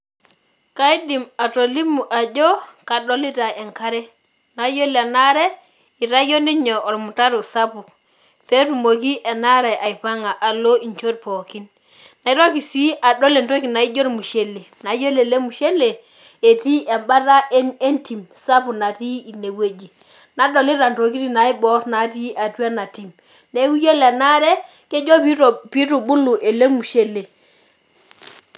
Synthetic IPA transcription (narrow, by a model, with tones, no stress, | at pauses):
ka˦i˦di˨ma˨to˨li˦mu˨ʔa˨d͡ʒo˦ka˨do˦li˦ta˨e˨ŋka˦ɾɛ˦ | na˨˦jo˦la˨na˦ɾe˦ | i˨ɾa˦jo˦ni˦ɲo˨o˨ɾmu˨ta˦ɾu˨sa˦pu˨ | pe˦tu˨mo˨ki˦ʔe˨na˦ɾa˨ʔa˨i˨pa˦ŋa˨ʔa˨lo˦i˨ɲt͡ʃo˦ɾpo˨ki˦n | na˨i˦ɾo˦ki˨si˦a˨do˦le˨nto˦ki˨na˨i˦d͡ʒo˦ɾmu˨ʃe˦le˨na˨˦jo˦le˨le˦mu˨ʃe˦le˨ | e˨ti˦ʔɛ˨mba˦ɾa˦ʔe˦ne˦nti˨msa˦pu˨na˨ti˦i˨ne˨we˦d͡ʒi˨ | na˨˦dɔ˨li˦ɾa˨nto˨k̬i˦ti˨na˨˦i˦bɔ˦tna˨˦ti˦ʔa˨twa˦na˨ti˨m | ne˦ku˦jo˦lɛ˨na˦ɾɛ˦ | ke˦d͡ʒo˦pi˦tu˨bu˦lu˨ʔe˨le˦mu˨ʃe˦le˨